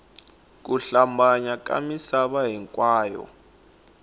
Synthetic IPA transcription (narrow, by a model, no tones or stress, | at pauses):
k̬ʼuɬambaɲak̬ʼa̰misaɓaɦɛŋkʼwaːjɔ̰